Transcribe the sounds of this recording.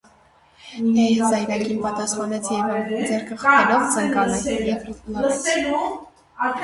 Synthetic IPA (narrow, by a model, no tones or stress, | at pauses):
ɛjzɑjɾɑkinpɑt̪ɑsχɑnɛt͡sʰɛvɑd͡zɛɾkʰəχɑɛlɔvt͡sʰɑŋkɑnɑkɛjɛvn